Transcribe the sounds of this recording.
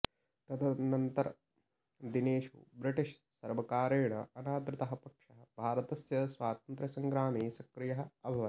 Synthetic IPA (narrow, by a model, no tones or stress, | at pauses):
t̪ɐd̪ɐnɐnt̪ɐɾɐ | d̪ineːʃṵbɾiʈiʃ | sɐɾʋɐkaːɾeːɳɐɐnaːd̪ɾɪt̪ɐɦɐpɐkʂɐɦɐ̆bʱaːɾɐt̪ɐsjɐsʋaːt̪ɐnt̪ɾɐsɐŋɡɾaːmiːsɐkɾɪjɐɦɐ̆ɐbʱɐʋɐ